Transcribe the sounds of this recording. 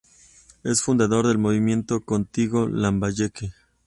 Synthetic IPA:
e̞sfund̪aðo̞ɾðe̞lmo̞βimje̞nt̪o̞ko̞nt̪iɣo̞lambaʝeke

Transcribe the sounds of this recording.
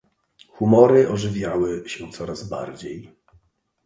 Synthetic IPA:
xumɔɾɘʔɔʐɘvʲjawɘɕɛt̪sɔɾazba̰ɾd͡ʑej

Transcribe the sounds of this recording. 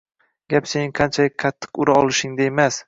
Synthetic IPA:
ɡ̥ʲapsenɪŋqʰɑnt͡ʃʰalɪk̚ʲqʰɑt̪ʰːɨ̥qʊɾaɒlˠɪʃɪŋd̪aemas

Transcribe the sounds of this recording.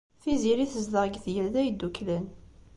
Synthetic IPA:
θiziɾiθəzðəʁɡθjəlðæjəd̪ːuklən

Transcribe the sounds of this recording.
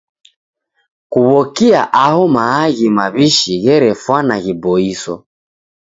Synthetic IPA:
kuβɔkiaʔahɔmaːɣimaβiʃiɣɛɾɛfwanaɣibɔisɔ̰

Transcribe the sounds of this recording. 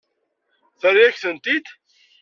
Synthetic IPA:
θəɾjæçθənt̪id̪

